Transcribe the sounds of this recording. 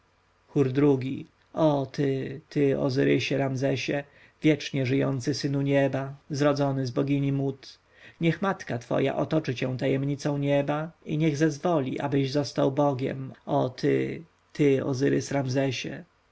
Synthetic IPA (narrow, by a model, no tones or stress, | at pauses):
xuɾd̪ɾuɡʲi | ɔt̪ɘt̪ɘɔ̰zɘɾɘɕɛɾamzɛɕɛ | vʲjɛt͡ʂɲɛʐɘjɔnt̪sɘsɘnuɲɛbazɾɔd̪zɔnɘzbɔɡʲiɲʲimut̪ | ɲɛxmat̪kat̪fɔ̰ja̰ʔɔt̪ɔt͡ʂɘt͡ɕɛw̃t̪ajɛmɲit̪sɔ̃w̃ɲɛbaiɲɛɣzɛzvɔlʲḭʔa̰bɘʑzɔst̪awbɔɡʲɛ̰mɔt̪ʰɘ̰ | t̪ɘɔ̰zɘɾɘsɾamzɛɕɛ̰